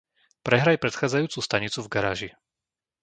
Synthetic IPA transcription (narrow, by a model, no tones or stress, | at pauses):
pɾɛɦɾajpɾɛt̪xaːd͡zajuːt͡sust̪aɲit͡suvɡaɾa̰ːʒi